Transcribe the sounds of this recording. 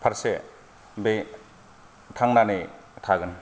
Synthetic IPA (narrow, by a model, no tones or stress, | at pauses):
pʰaɾse | be | tʰaŋnane | tʰaɡɯn